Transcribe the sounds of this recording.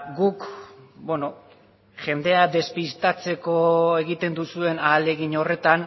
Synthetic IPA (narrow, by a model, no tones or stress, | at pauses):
ɡukbweno̞ | ʝe̞nd̪e̞ad̪e̞spist̪at͡se̞ko̞e̞ɣit̪e̞nd̪usue̞naːle̞ɣiɲo̞re̞t̪an